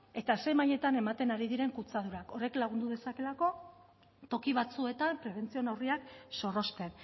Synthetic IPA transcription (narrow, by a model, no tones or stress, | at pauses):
e̞t̪ase̞jmaje̞t̪ane̞mat̪e̞naɾiðiɾe̞ŋkut͡sað̞uɾako̞reklaɣ̞und̪uðe̞sake̞lako̞ | t̪o̞kiβ̞at͡sue̞t̪ampɾe̞βe̞nt͡sio̞nawriakso̞ro̞st̪e̞n